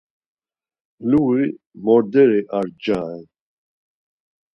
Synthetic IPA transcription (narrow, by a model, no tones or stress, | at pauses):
lui | mɔɾd̪ɛɾɛʔaɾd͡ʒaːɛn